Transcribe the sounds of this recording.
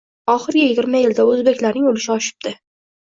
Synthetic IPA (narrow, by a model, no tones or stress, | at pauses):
ɒχɨɾɡʲajɪɡʲɪɾmajɪld̪aɵzbe̞kʲlaɾnɪŋolɪʃɪɒʃɪ̥b̚d̪̥ɪ